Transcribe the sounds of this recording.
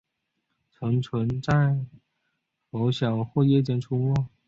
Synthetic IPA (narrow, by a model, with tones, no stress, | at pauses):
t͡sʰɤ˧˥ŋt͡sʰwə˧˥nt͡sa˥˩ɪ | o˧˥ʊɕjɑ˨˩ʊxwɔ˥˧jɛ˥˧t͡ɕjɛ˥nʈ͡ʂʰu˥mɔ˥˩